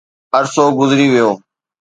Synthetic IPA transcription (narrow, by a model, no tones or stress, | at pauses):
əɾsoːɡʊzɾiːʋɪjoː